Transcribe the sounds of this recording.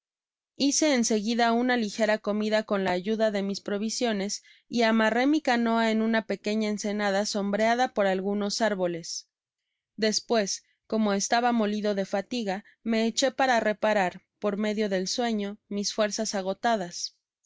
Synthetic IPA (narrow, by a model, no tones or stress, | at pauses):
ise̞ːnse̞ɣiðaunalixe̞ɾako̞miðako̞nlaːʝuðaðe̞mispɾo̞β̞isjo̞ne̞s | iamare̞mikano̞ae̞nũnape̞ke̞ɲaense̞naðaso̞mbɾeaðapo̞ɾalɣuno̞saɾβo̞le̞s | ðe̞spwe̞s | ko̞mo̞est̪aβamo̞liðo̞ðe̞fat̪iɣa | me̞ːt͡ʃe̞paɾare̞paɾaɾ | po̞ɾme̞ðjo̞ðe̞lswe̞ɲo̞misfwe̞ɾsasaɣ̞o̞t̪aðas